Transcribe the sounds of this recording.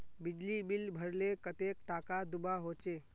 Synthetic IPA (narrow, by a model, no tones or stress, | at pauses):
bɪd͡ʒlibɪlbʱəɽlekət̪eːkʈaːkad̪ʊbaɦoːt͡ʃeː